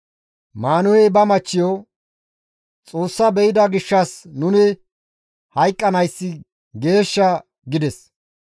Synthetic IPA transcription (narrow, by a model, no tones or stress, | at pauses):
maːnʊhɛbɐmɐt͡ʃːɪjo | t͡sʼo̞ːsːɐbɛjɪd̪ɐɡɪʃːɐsnʊnɪ | hɐjkʼːɐnɐjsːɪ | ɡe̞ːʃːɐ | ɡɪd̪ɛs